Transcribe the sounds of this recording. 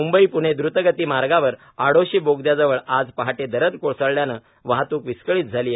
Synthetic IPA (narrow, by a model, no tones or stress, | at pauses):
umbəiːpuɽ̃ed̪ɾut̪əɡət̪iːmaɾɡaʋəɾ | aɽoɕiːboɡd̪jad͡zəʋəɭad͡zpaɦaʈed̪əɾəd̪koɭsəɭljanə | ʋaɦat̪uːkʋiskəɭiːt̪̚d͡zʱaliːje